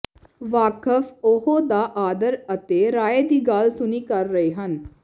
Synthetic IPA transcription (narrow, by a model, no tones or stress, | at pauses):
ʋaːkəfoɦod̪aːʔaːd̪əɾət̪eːɾaːeːd̪iːɡaːlsʊniːkəɾːəiːɦən